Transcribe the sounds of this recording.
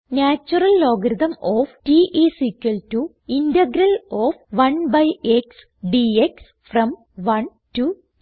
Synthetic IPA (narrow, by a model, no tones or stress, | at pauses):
naːt͡ɕːurɐlːoːɡɐɾuðɐmoːfʈiʔisikːɐltu | indɐɡɾɐloːfʋɐnbɐjeks | ɖieks | frɐm | ʋɐn | tu